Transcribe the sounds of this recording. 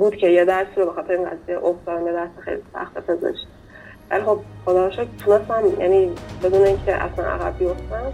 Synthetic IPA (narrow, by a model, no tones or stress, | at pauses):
buːd̪̥cʰejed̪æɾsiɾobexɒːt̪ʰeɾeiːŋɡæ̰zijeʔoft̪ɒːd̪æmjed̪æɾsixḛjlisæ̰xt̪ʰepʰezḛʃt̪ | væ̰lixob̚xod̪ɒːʃɔt̪ʰonest̪æmjæ̰niːbe̞d̪uːneiŋcʰeʔæ̰slænʔæ̰ɣæbbijoft̪æn